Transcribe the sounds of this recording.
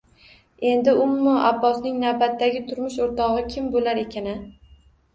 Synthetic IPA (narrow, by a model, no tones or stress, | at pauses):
e̞nd̪ɪʊmːʊabːɒsnɪŋnawbat̪ːaɡʲɪt̪ʰʊɾmʊʃoɾt̪ʰɒʁɨkʲʰɪmbolaɾe̞kʲʰanɪ